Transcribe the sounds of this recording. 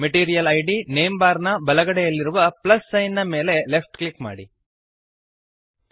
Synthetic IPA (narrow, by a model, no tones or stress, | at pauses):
meʈiːɾijɐlɐjɖineːmbaːɾnɐbɐlɐɡɐɽɛjɐlːiɾuʋɐplɐsːɐjnːɐme̞ːle̞lepʰʈklikma̰ːɽḭ